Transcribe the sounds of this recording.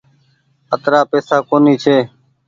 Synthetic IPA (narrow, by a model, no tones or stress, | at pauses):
ət̪ɾaːpeːsaːkoːniːt͡ʃʰeː